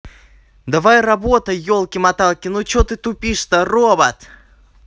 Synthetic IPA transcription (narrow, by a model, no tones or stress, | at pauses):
d̪ɐvajrɐbot̪əjolˠkʲɪmɐt̪alˠkʲɪnut͡ɕot̪ɨt̪ʊpʲiʂt̪ɐrobɐt̪